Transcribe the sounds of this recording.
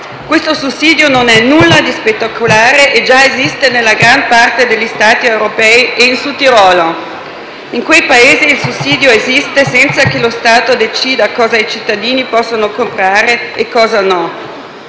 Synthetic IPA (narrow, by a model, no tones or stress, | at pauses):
kwest̪osusːiːd̪jononɛnulːad̪ispet̪ːakʰolaːɾeʔed͡ʒaezist̪enelːaɡɾampart̪ed̪elʎːist̪aːt̪iewɾopɛiʔeinsut̪iɾɔːlo | iŋkwejpaeːziːlsusːiːd̪joezist̪esɛnt̪sakelost̪aːt̪od̪et͡ʃiːd̪akɔːzait͡ʃit̪ːad̪iːnipɔsːonokompɾaːɾeːkːɔːzanɔ